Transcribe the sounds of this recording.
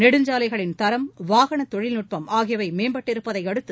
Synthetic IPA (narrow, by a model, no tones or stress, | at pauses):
nɛɽɯɲd͡ʒaːlɐɪɣɐɭɪnt̪ɐɾɐmʋaːɣɐɳɐt̪ɔɻɪlnʊʈ̚pɐmaːɣɪjɐʋɐɪmeːmbɐʈːɪɾɯpːɐðɐɪɐɽɯt̪ːɯ